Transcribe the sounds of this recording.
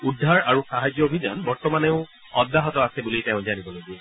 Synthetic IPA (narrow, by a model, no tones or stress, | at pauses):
udʱːaɹaɹusaɦad͡ʒjɔobʱid͡ʒanbɔɹtɔmaneʊ̃ | ɔ̰dːaɦɔtɔasɛbulitẽʊ̃zanibɔloɡiɛ